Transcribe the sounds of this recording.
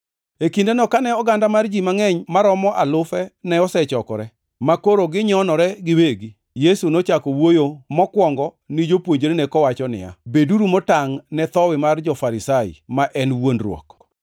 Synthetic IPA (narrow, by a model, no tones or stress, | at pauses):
ekindenɔkanɛɔɡandamard͡ʒimaŋɛɲmaɾɔmɔʔalʊfɛnɛɔsɛt͡ʃɔkɔ̰ɾɛ | makoɾoɡɪɲɔnɔɾɛɡɪweɡi | jesunot͡ʃakɔwojomɔkwɔŋɡɔ | nɪd͡ʒopwoɲd͡ʒeɾenɛkɔwat͡ʃɔnɪ̰ja̰beduɾumɔtaŋnɛt̪ɔwɪmard͡ʒɔfaɾɪsaɪ̰maʔɛnwondɾwɔ̰k